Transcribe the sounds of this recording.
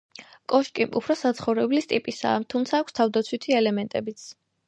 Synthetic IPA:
kʼɔʃkʼiʔṵpʰɾɔsat̪sʰχɔvɾɛblist̪ʼipʼisa̰ːt̪ʰumt̪sʰaːkʷʰst̪ʰavd̪at̪sʰwit̪ʰiɛlɛmɛnt̪ʼɛbit̪sʰ

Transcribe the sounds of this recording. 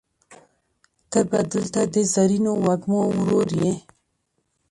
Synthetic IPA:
t̪əbad̪əlt̪ad̪ezaɾinowaɡmoɾoɾje

